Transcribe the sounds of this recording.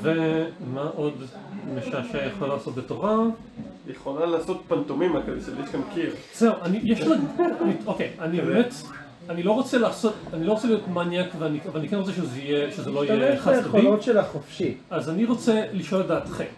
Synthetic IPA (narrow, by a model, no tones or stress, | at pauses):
vemaʔo̞dmeʃaʃejeχolalaːsot̚betoʁa | jeχolalaːsot̚pantomimakaiʃeljeʃkankʰiʁz̥euʔanijɛʃlaɡeniokejanibemet | anilo̞ʁot͡selaːso̞tanilot͡selijotmanjakveanikvalanikenʁot͡seʃezeijeʃezeloijeχaajealotʃelaχofʃiazaniʁo̞t͡seliʃo̞ladaːt̪χḛm